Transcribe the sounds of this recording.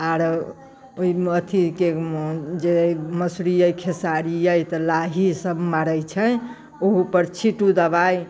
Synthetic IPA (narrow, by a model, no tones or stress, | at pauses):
aɾ | oiət̪ʰiked͡ʒeməsɾijəjkʰesaɾijəjt̪ɔlaɦisəbmaɾəjt͡ʃʰəj | oɦupəɾt͡ʃʰiʈud̪əbaj